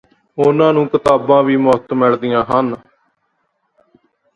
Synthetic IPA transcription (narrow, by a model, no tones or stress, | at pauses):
ʊnãːnũːkət̪aːbãːʋiːmʊt̪mɛɭd̪ɪjãːɦən